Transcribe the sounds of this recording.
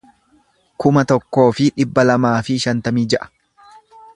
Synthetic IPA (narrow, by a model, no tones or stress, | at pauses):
kʊmɐt̪ɔkːo̞ːfɪᶑɪbːɐlɐmaːfɪʃɐnt̪ɐmiːd͡ʒɛʔɐ̥